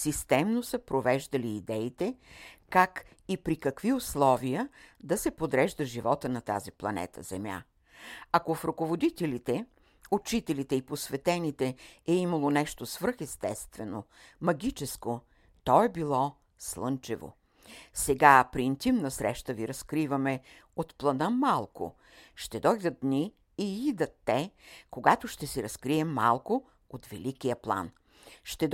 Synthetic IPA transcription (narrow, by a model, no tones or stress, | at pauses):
sist̪ɛmnosəpɾovɛʒd̪əliːd̪ɛit̪ɛkak | ipɾikɐkviʊslˠɔvijəd̪ɐsɛpod̪ɾɛʒd̪əʒivɔt̪ənɐt̪a̰ziplˠɐ̰nɛ̰t̪ʰə̰zɛ̰mja̰ | ɐkofɾʊkovod̪it̪ɛlit̪ɛ | ʊt͡ʃit̪ɛlit̪ɛiposvɛt̪ɛnit̪ɛɛimɐlˠonɛʃt̪osvɤɾxɛst̪ɛst̪vɛno | mɐɡʲit͡ʃɛsko | t̪ɔɛbilˠɔ | slˠɤnt͡ʃɛvo̰ | sɛɡapɾiːnt̪imnəsɾɛ̰ʃt̪əviɾɐskɾivɐmɛ | ot̪plˠɐd̪əmalˠko̰ | ʃt̪ɛd̪ɔjd̪ət̪̚d̪niː | id̪ət̪ːɛkoɡat̪oʃt̪ɛsiɾɐskɾiɛmːa̰lˠko | ot̪vɛ̰likijəplˠa̰n | ʃt̪ɛd̪